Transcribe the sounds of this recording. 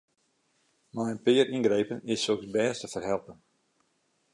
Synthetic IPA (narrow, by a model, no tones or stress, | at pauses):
majənpɪːəɾinɡrejpənɪsːoksbɛːstəfərɦɛlˠpən